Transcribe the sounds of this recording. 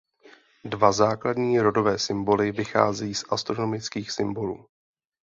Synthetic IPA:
dvazaːkladɲiːɾo̞do̞vɛːsɪmbo̞lɪvɪxa̰ːzɛjiːsʔast̪ɾo̞no̞mɪt͡skiːxsɪmbo̞luː

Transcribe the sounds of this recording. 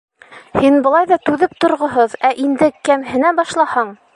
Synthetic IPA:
hinbɤ̆lˠɑjðɑt̪ʉðɘp̚t̪ŏɾʁɤ̆ɦɤðæʔind̪ɘkæmhɘ̆næbɑʃlˠɑhɑɴ

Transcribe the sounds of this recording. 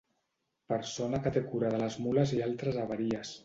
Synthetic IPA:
pəɾsonakət̪ekuɾaðələzmuləzialˠt̪ɾəzaβ̞aɾiəs

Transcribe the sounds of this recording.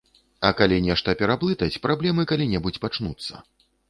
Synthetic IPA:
ɐkalʲinʲɛʂt̪ɐpʲɛɾaplˠɨt̪ɐt͡sʲpɾʔablʲɛmɨkalʲinʲɛbut͡sʲpat͡ʂnut̪sːɐ̰

